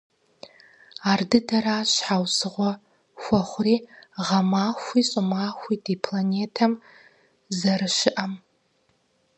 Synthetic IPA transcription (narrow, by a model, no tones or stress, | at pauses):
ardɨdaɾaːʃʷħawsɨʁʷa | xʷaχʷriʁamaːxʷisʼʊmaxʷidipʰlanetʰam | zɐɾɨʃɪʔam